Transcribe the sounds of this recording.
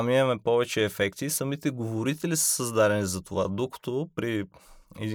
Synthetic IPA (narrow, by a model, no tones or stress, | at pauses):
miɐmɛpɔvɛt͡ʃɛːfɛkt̪isɐmit̪ɛɡovoɾit̪ɛlisə̥səzd̪aɾɛnizɐt̪ovad̪okɐ̥t̪opɾiɛd̪